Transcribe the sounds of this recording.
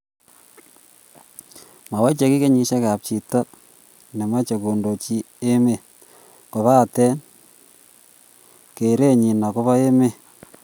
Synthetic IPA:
ma˨wa˦t͡ʃe˨ki˦ke˦ɲi˨ʃa˦ka˨p̚t͡ʃi˨ta˦ | ne˨ma˦t͡ʃe˨ko˨ndo˨t͡ʃi˦ | e˦me˦˨ | ko˨βa˦˨tɛ˦n | ke˨ɾe˦˨ɲi˨na˨ko˦βa˦e˦me˦˨

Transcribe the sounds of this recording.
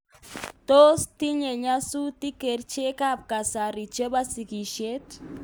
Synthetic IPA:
t̪o˦st̪i˦ɲe˨ɲa˦su˦t̪i˦ke˨ɾt͡ʃe˦ka˦˨p̚ka˨sa˨ɾi˨t͡ʃe˦ba˦si˨ki˨ʃe˦t̪

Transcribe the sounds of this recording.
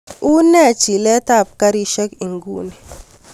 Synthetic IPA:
u˦nɛ˦˨t͡ʃi˨lɛ˦ta˦˨p̚ka˦ɾi˦ʃɛ˦ki˨ŋɡu˦ni˨

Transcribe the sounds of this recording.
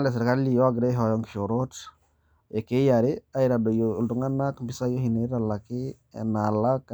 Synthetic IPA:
le˨s̬ɾka˦li˨jo˦ɡɾe˦ɦɔ˨jɔ˨ŋki̥˨ʃo˨ɾo˦t | e˨ke˦ja˨ɾi˦a˦iɾa˨do˨jo˨ldu˨ŋa˦nːa˦kmpi˦sa˦jo˦hi˨ne˦ɾala˨kḭ˦ | na˨la˦k

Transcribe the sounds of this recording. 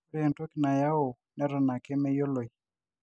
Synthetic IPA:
ɾe˦ɛ˨nto˦kɪ˨na˨ja˦o˨ | nɛ˦ɾɔ˨na˨ke˦mɛ˦jo˦lo˨i˨

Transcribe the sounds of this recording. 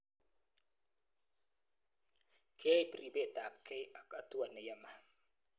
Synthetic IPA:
kʰe˦jpɾi˨be˦˨ta˨p̚kʰe˦ja˨kʼa˦tu˦a˨nə˨ja˦ma˨

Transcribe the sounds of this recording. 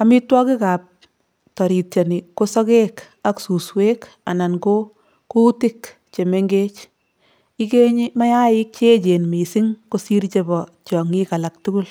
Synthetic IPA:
ami˦twɔ˦ki˦ka˨p̚ | tɔ˨ɾi˨tt͡ʃɔ˨ni˨ko˦sɔ˦ke˦k | aksu˨swek | a̰˨na˨nko˦ | ku˦ti˦k | t͡ʃe˨me˦ŋɡe˦t͡ʃ | ike˦ɲi˦ma˦ja˦ɪ˦k̚t͡ʃe˦t͡ʃe˨nmi˨si˦ŋko˦si˦ɾt͡ʃe˦bɔ˨t͡ʃɔ˨ŋi˦ka˨la˨k̚tu˦ku˦l

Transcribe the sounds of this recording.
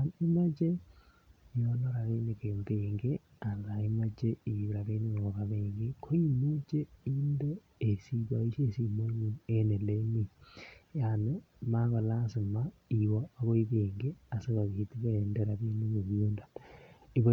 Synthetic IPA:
ne˦ma˦t͡ʃe˦ | jono˦ɾa˨ɣe˦nekembeŋɡe˦ | a˨la˨e˦ma˦t͡ʃe˦i˨ɾa˨βe˦ni˦ŋoo˨ɣa˨βeːŋɡe˦kʰo˦i˦mu˦t͡ʃe˦i˦ndeː˦˨ | si˦βa˨i˦ʃesi˨mo˦ɲie˦ne˨lemi˨jane | maɣa˨la˦se˨ma˦iwoa˦ɣo˦iβeŋɡe˦a˨se˦βa˨ɣeti˦βa˦endeɾa˨βe˦ni˦ɣo˨βjo˦nda˨ni˨βa

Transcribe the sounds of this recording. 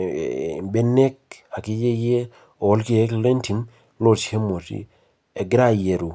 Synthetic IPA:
be˦ne˦k̚a˨ki˦d͡ʒe˦je˦ | o˨ɔ˦lki˦e˦kle˦nti˨m | lo˦˨the˦mo˨tḭ˦ | e˨ɡɾa˦je˨ɾu˨

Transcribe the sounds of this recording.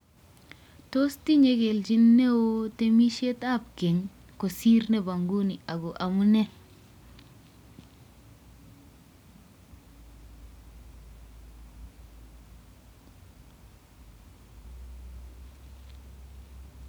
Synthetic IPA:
to˦sti˦ɲe˦ɡe˨ld͡ʒi˦nːe˦wo˦te˦mi˦ʃe˦ta˦˨p̚ke˨ŋ | ko˨si˦ɾne˦ba˨ŋɡu˦ni˨ʔa˨ɡo˨ʔa˨mu˦ne˦

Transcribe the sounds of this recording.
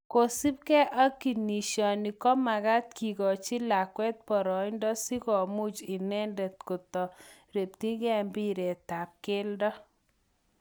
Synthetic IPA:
ko˨si˦p̚kɛ˦ʔa˦ki˨ni˨ʃɔ˨ni˨kɔ˦ma˨ɣa˦t̪ki˨ɣɔ˨t͡ʃɪ˦la˨kwɛ˦t̪̚pɔ˨ɾɔ˨ɪ˦ndɔ˦si˦kɔ˨mu˦t͡ʃɪ˨nɛ˦ndɛ˨t̪ko˨t̪ɔ˨ɾe˨p̚t̪i˦ɡɛ˦mbi˦ɾɛ˨ta˨p̚ke˦ldɔ˦

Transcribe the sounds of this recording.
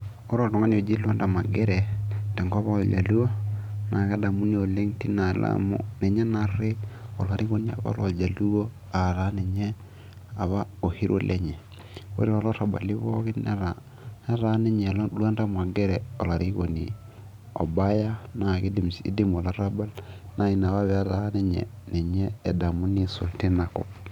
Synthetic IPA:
o˦ɾo˦˨lo˨ŋa˦ni˨o˨d͡ʒi˦lwa˦nda˨ma˨ɡɛ˦ɾɛ˨d̥ɛ˨ŋɡβa˦d͡ʒa̰˨lu˦wo˦na˨ka˦da˨mu˦ni˦o˨le˦ŋti˦na˨la̰mṵ˦nɛ˨ɲɛ˦na˨ɾe˦o˨la˨ɾʔi˦ɣo˦ni˦a̰˨βa̰˦lo˨d͡ʒa˨lu˦o˦ | a˨ɾa˦nɛ˨ɲɛ˦ | a˨βa˦o˨hi˦ɾʔo̰˦lʔɛ˦ɲɛ˨ | o̰˦ɾi˦ɾa˨lɔ˦ɾa˨ba̰˨li˦βɔ˦ɣi˦nɾa | ɛ˦ɾa˦nɛ˦ɲɛ˨llwa˦nda˦mwa˨ɡɛ˦ɾɛ˨ɔ˨la˨ɾʔi˦ɣo˨nḭ | ɔ̰˨ba˦ja˦na˨ɣi˦di˨msḭ˦di˦mo˨la˦ɾa˦ba˦lna˨i˨na˨βa˦βɛa˦ɾa˦nɛ˦ɲɛ̰˨nɛ˨ɲɛː˦˨da˨mu˦ni˦so̰˨lti˦na˨kɔ̰˨

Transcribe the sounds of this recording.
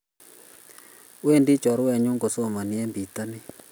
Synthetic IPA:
we˦ndi˦t͡ʃɔ˨ɾwɛ˦˨ɲʊ˦ŋɡo˨so˦˨ma˨nɪ˨˦ɛ˦mbi˨t̪a˦nɪ˦

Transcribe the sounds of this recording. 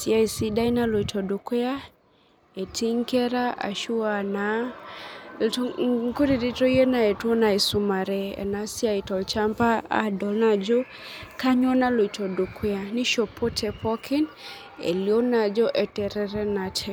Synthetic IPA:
sja˦i˨si˦da˦i˦na˦lo˨i˨tʰɔ˨du˨kwa˦ | e˨tʰi˦ŋkɛ˦ɾa˦a̰˨ʃu˦a˨na˦ | ŋ˦ku˦ɾi˨di˦to˦je˦na˨e˨two˦na˨e˨su˦ma˨ɾɛ˦ɛ̰˨na˦sja˦i˨tɔ˨lt͡ʃa˦mpa˦a̰˦dɔ˨lna˦d͡ʒɔ˦ | ka˦ɲɔ˦na˦lo˨i˨tɔ˨du˨kʰwɛ˦a˨ni˦ʃo˨pʰo˦tʰɛ˨pɔ˦kʰi˦n | ḛ˨lio˦na˨d͡ʒɔ˦ʔɛ˨tɛ˨ɾɛ˨ɾɛ˦na˨tʰɛ˨

